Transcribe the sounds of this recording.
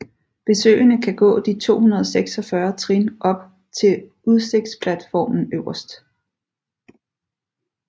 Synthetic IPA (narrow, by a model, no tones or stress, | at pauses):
b̥e̝sø̰ːɪnəkʰæɡ̥ɔ̰̽ːd̥it͡sʰo̝̰ːhunɐð̞ˠseɡ̥sɒ̽fɶɐt͡sʰʁinʔɒ̽b̥̚ | t͡sʰe̝l | uðˠseɡ̥̚d̥spʰlæd̥fɒ̰ːmn̩øʊɐsd̥